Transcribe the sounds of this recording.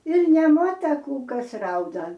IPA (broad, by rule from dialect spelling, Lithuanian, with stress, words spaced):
ɪr nʲɛmuɔtɐ ˈkuː ˈkɐs ˈrɐʊdɐ